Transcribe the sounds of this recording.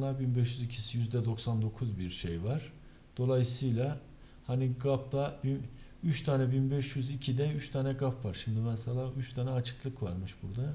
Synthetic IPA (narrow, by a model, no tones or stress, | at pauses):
lˠaɾbinbɛʃjyzicʰisijyzd̪ɛd̪o̞ksand̪o̞kʰuzbiɾʃejvaɾ̥ | d̪̥o̞lˠajɯsɯjlˠa | haniɡap̚d̪abin | yt͡ʃt̪ʰaːnɛbinbɛʃjyzicʰid̪ɛyt͡ʃt̪ʰaːnɛɡafvaɾʃimd̪imɛsɛlʲˠaːyt͡ʃt̪ʰaːnɛat͡ʃʰɯ̥klˠɯkvaɾmɯʃbuɾd̪a